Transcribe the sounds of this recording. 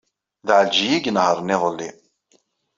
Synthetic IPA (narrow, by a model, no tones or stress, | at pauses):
ðaʕəld͡ʒijiɡnhəɾˤniðˤəlːi